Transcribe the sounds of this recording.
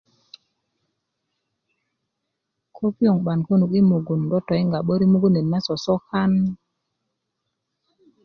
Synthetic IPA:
kʰo˦pjo˨ŋɓa˨nko˦nu˨ki˦mo˨ɡu˨ndɔ˦tɔ˨i˦ŋɡa˨ɓo˦ɾi˦mu˦ɡu˦ne˨nma˦sɔ˨sɔ˦ka˦n

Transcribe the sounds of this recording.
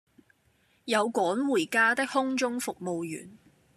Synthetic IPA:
jɐ˨˧wkɔː˨˥nwuː˨˩jkaː˥t̪ɪ˥k̚hʊ˥ŋt͡ʃʊ˥ŋfʊ˨k̚mo˨wjy̰ː˨˩n

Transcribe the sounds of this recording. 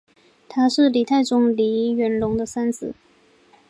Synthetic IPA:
t̪ʰa˥ʂɻ̩˥˩li˨˩t̪ʰa˥˩ɪʈ͡ʂʊ˥ŋli˧˥˧ɥɛ˧˥nlʊ˧˥ŋd̪ə˧sa˥nt͡sɹ̩˨˩˦

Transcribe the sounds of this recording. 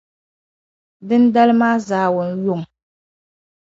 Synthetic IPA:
dɨ˦n˦da˦lɨ˦maː˦zaː˨˦wʊ˨n˦jʊ˦ŋ˨

